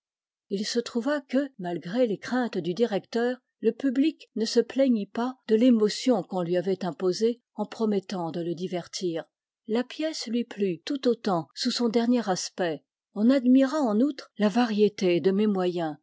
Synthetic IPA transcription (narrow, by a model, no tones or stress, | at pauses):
ilsət̪χuvakəmalɡʁelekχɛ̃t̪d̪yd̪iʁɛkt̪œːʁ | ləpybliknəsəplɛɲipad̪əlemɔsjɔ̃kɔ̃lɥiavɛt̪ɛ̃poze | ɑ̃pχɔmɛt̪ɑ̃d̪ələd̪ivɛʁt̪ʰiːʁ | lapjɛslɥiplyt̪ut̪ot̪ɑ̃susɔ̃d̪ɛʁnjeʁaspɛ | ɔ̃nad̪miʁãɑ̃nut̪χlavaʁjet̪ed̪əmemwajɛ̃